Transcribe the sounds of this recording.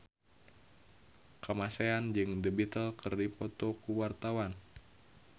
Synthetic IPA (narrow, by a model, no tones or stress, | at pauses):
kəmaseand͡ʒɨŋdəbit̪əlkʰɨrdipɔt̪ɔkuwart̪awan